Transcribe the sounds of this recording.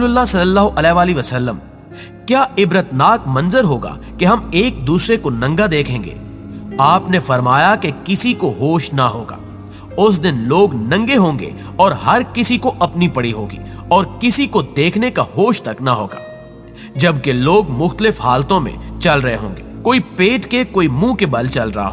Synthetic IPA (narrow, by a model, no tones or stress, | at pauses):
lʊlːasɐlːəlːaːɦoʔɐlɛːʋaːliʋɐsɐlːəm | kjaːɪbɾət̪naːkmɐ̃nzəɾɦoːɡa̰ːkeɦɐmeːk̚d̪uːsɾekonɐ̃ŋɡad̪eːkʰẽːŋɡḛː | aːpnefɐɾmaːjakekɪsikoɦoːʃnɐɦo̰ːɡa̰ː | ʊs̬d̪ɪnloːɡnɐ̃ŋɡeɦõːŋɡḛ | ɔːɾɦɐɾkɪsikoʔɐpnipɐɽiɦo̰ːɡḭːɔːɾkɪsikod̪eːkʰnekaɦoːʃt̪ɐknaɦoːɡa̰ː | d͡ʒɐbkeloːɡmʊxt̪əlɪfhaːlt̪õmḛ̃t͡ʃɐlɾɐɦḛɦõ̰ːŋɡḛːkoːipeːʈkekoːimũːkebɐlt͡ʃɐlɾɐ̰ɦa̰ɦoː